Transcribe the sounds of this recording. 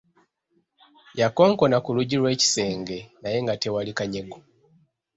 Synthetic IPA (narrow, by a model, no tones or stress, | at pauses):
jako̞ːŋko̞nakuluɟilwe̞ːci̥se̞ːŋɡe̞naje̞ŋɡate̞walikaɲe̞ɡo